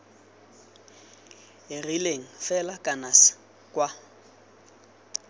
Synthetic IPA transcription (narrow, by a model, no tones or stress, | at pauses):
ɪrileŋ̩fɛlakʼanas | kʼwa